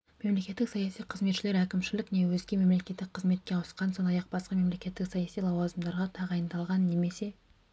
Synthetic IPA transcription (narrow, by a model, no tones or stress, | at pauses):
me̞mle̞kʲe̞t̪ːɪksɑjɑsijqʰəzmet̪ʃɪle̞ɾækʲɪmʃɪlɪkne̞wɵzɡʲe̞me̞mle̞kʲe̞t̪ːɪk̚ʲqʰəzme̞t̪̚kʲe̞ɑwəsqɑnso̞nd̪ɑjɑq̚b̥ɑsqɑme̞mle̞kʲe̞t̪ːɪksɑjɑsijlˠɑwɑzəmd̪ɑɾʁɑt̪ʰɑʁɑjənd̪ɑlˠʁɑnːe̞me̞se̞